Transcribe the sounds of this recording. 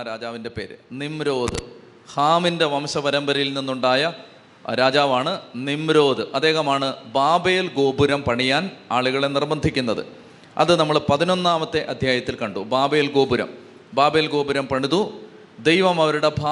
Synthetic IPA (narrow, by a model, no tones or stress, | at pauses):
ɾaːd͡ʑaːʋinde̞pe̞ːɾɨnimɾo̞ːd̪ɨ̰ | haːminde̞ʋɐmɕɐbɐɾɐmbɐɾɐjilninːuɳɖaːjɐ | ɾaːd͡ʑaːʋaːɳɨnimɾo̞ːd̪ɨʔɐd̪ːe̞ːɣɐmaːɳɨbaːbeːlɡo̞ːbuɾɐmpɐɳijaːnaːɭuɣɐɭe̞nirbɐnd̪ʱikʲːunːɐðɨ̰ | ɐ̰ðɨnɐmːɐɭpɐðino̞nːaːmɐt̪ːe̞ʔɐd̪ʱjaːjɐt̪ːilkɐɳɖubaːbeːlɡo̞ːbuɾɐ̰m | baːbeːlɡo̞ːbuɾɐmpɐɳiðu | d̪ejʋɐmɐʋɐɾuɽe̞bʱaː